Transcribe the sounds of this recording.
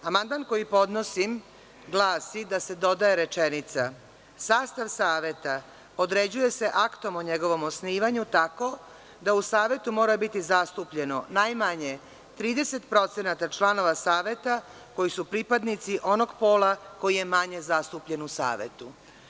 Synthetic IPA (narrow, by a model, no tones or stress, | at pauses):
amand̪manko̞jipo̞d̪no̞sim | ɡlˠaːsid̪ase̞d̪o̞d̪ajeɾe̞t͡ʃe̞nit̪sa | saːst̪aʋsaːʋje̞t̪a | od̪ɾe̞d͡ʑuje̞se̞ʔakt̪o̞moɲe̞ɡo̞ʋo̞mosniːʋaɲut̪ako̞ | d̪ausaːʋje̞t̪umo̞ːɾabit̪izast̪upʎe̞no̞najmaɲe | t̪ɾiːd̪e̞se̞t̪pɾo̞t̪se̞nat̪at͡ʃlano̞ʋasaːʋjet̪a | ko̞jisupɾipad̪nit̪siʔo̞no̞ɡpo̞ːlako̞jije̞maɲe̞zast̪upʎe̞nusa̰ːʋḛt̪u